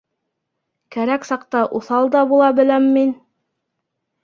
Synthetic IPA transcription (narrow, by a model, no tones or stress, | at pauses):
kæɾæksɑqt̪ɑʔuθɑlˠd̪ɑbulˠɑbɘ̆læmːin